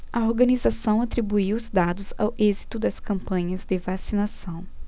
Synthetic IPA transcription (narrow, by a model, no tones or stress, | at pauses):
ɐoɾɡɐnizasɐ̃w̃at̪ɾibuiwʊzd̪ad̪ʊza̰wʔezit̪ʊd̪ɐskɐ̃mpɐ̃ɲɐzd̪ɪvasinasɐ̃w̃